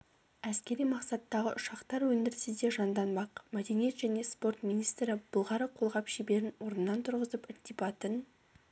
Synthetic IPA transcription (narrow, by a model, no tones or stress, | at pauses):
æskʲe̞ɾijmɑqsɑt̪ːɑʁə̰ʔʊʃɑqt̪ɑɾwɵnd̪ɪɾsɪzd̪e̞ʒɑnd̪ɑnbɑqmæd̪e̞nije̞t̪ʒ̥æne̞spo̞rt̪minijst̪ɾɪb̥ʊlˠʁɑɾəqʰo̞lˠʁɑpʃibe̞ɾɪnwo̞ɾnənːɑnt̪ʰʊɾʁəzəpɪrt̪ipɑt̪ən